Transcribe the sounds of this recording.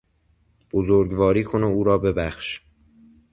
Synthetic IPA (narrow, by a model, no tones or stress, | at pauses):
b̥ozoɾɡvɒːɾiːkʰo̞neuːɾɒːbe̞bæxʃ